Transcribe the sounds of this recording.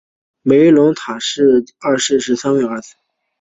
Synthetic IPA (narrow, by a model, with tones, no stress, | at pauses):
me˧˥ɪlʊ˧˥ŋt̪ʰa˨˩ʂɻ̩˥˧ɐ˥˧ʂɻ̩˥˩ʂɻ̩˧˥sa˥nwɛ˥˩ə˥˩s̩ʰ˧˩